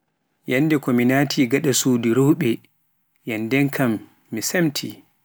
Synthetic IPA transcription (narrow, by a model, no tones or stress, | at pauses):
janːdɛkɔminaːtʰiɡaɗasuːdiɾowɓɛ | jandɛŋkʰamː | isamtʰḭ